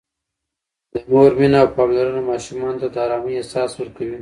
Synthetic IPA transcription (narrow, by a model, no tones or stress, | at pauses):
d̪̥əmoɾminaːwpɑmlaɾənamɑʃumɑnt̪ad̪əɑɾɑmiesɑswəɾkawi